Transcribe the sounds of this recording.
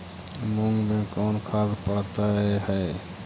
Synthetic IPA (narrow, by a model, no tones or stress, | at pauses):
muŋɡmẽkɔːnkʰad̪pəɽt̪ahɛː